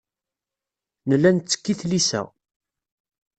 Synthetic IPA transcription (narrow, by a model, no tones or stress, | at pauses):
nəlːænt͡sːə̥kːiθlisæ̰